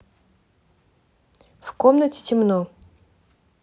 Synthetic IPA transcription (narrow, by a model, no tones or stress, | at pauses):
fkomnətʲɪ̥tʲɪmno